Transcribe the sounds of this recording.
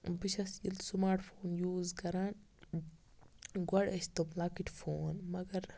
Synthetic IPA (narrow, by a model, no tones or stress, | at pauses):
biʃɐsjilsumaːɾʈfʰoːnjuːzkɐɾan | ɡɐɽɐst̪oblaːkiʈfʰoːnmɐɡɐɾ